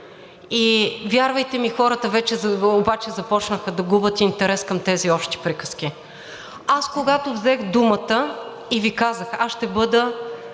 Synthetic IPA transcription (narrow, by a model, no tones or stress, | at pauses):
ivʲjaɾvəjt̪ɛmixɔɾət̪əvɛt͡ʃɛzobat͡ʃɛzɐpɔt͡ʃnəxəd̪ɐɡubət̪int̪ɛɾɛskəmt̪ɛziɔpʃt̪i̥pɾikə̥sk̟i | askoɡat̪ovzɛxd̪umət̪ə | ivikazəxasʃt̪ɛbɤd̪ə